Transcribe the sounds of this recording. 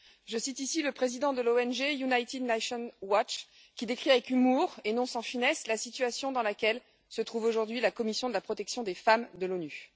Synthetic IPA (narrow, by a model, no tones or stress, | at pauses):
ʒəsit̪isiləpχezid̪ɑ̃d̪əloɛnʒejunajt̪id̪naʃɔnwat͡ʃ | kʲid̪ekχiavɛkymuʁenɔ̃sɑ̃finɛslasit̪ɥasjɔ̃d̪ɑ̃lakʲɛl | sət̪χuvoʒuʁd̪ɥilakɔmisjɔ̃d̪əlapχɔt̪ɛksjɔ̃d̪efamd̪əlony